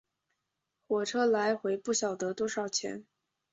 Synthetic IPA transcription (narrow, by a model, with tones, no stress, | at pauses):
xwɔ˨˩ʈ͡ʂʰɤ˥la˧˥ɪxwe˧˥ɪpu˥˩ɕjɑ˨˩ʊd̪ə˧˦t̪wɔ˥ʂɑ˨˩ʊt͡ɕʰjɛ̰˧˥n